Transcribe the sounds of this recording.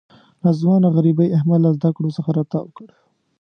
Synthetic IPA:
nɑzwɑnaɣaɾibajahmad̪lazd̪akɽosəxaɾat̪ɑwəkəɽ

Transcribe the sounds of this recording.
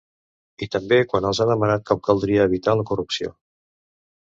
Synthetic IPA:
it̪əmbekwanəlˠzaðəmənat̪̚kɔp̚kəlˠd̪ɾiəːβ̞it̪aləkurupsio̰

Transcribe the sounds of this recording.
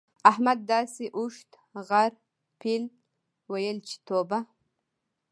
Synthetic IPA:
ahmad̪̚ːɑːsiʔuʂt̪ | ʁaɾ | pʰil | wajəlt͡ʃʰi̥t̪ʰoba

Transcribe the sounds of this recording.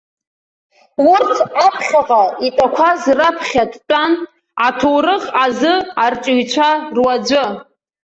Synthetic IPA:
wʊrtʰapʰχʲaqʼaitʼakʷʰazrapʰχʲadt͡pʼan | atʰowrɨχazɨart͡ʃʷʼuɥt͡ʃʷʰarwad͡ʒʷʊ

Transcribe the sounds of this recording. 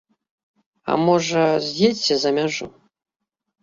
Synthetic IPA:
a̰moʐɐzdetʲsʲɐzamʲaʐṵ

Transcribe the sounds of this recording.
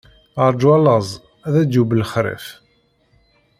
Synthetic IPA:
əɾˤd͡ʒwɑləzˤ | æðæd̪ubləχɾḛf

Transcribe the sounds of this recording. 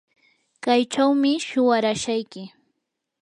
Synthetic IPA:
kajt͡ʃawmɪʃʊwaɾaʃajkɪ

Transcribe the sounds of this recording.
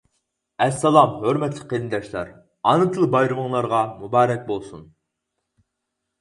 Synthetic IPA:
ɛsːɑlˠɑmhøɾmɛt̪ʰlɪqelnd̪ɛʃlˠɑ̰ɾ | ɑnɨt̪ʰɨlˠɨbɑjɾɨməŋlˠɑɾʁɑmubɑːɾɛk̚ʲbolˠsun

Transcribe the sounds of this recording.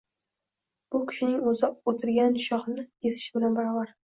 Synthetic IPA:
b̥ʊkʲʰɪ̥ʃɪnɪŋɵzɪot̪ʰɪɾɡʲanʃɒχnɪjesɪ̥ʃbɪlanbaɾɒbaɾ

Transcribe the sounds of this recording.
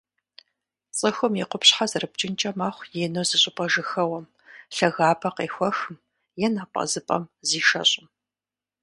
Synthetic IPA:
t͡sʼɨxɨmjɛqʷʊpɕħazɨrɨb̚t͡ʃʼɪnt͡ʃʼɐmaχʷjeːnowzɨɕʼɪpʼɐʒɨxɐwɐm | ɬɐɣaːpʰɐqeːxʷɔxɨm | jɛnɐpʼɐ̰zɨpʼɐ̰mziːʃɐ̰ɕʼɪm

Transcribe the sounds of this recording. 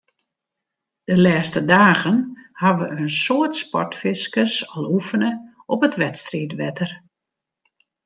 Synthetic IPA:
d̥əlɛːstədaːɣənhaʋəənsoətspɔ̰rtfɪskəsɔlˠufənə | ɔpətʋɛtstritʋɛtər

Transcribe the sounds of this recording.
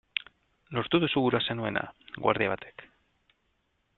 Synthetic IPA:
lo̞ɾt̪uðusuɣuɾasenue̞nʔa̰ɡwa̰ɾðiaβat̪ʰe̞̥k

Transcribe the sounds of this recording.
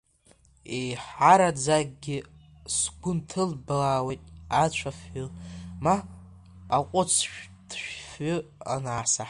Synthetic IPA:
ejħaɾad͡zaɡʼɡʲɪ | sɡʷʊntʰɨlbalaːwejtʼat͡ɕʷʰafʏlmaː | qʷʼʊt͡sʰʃᶣd̥ʃʷᶣfʏa̰naːsa

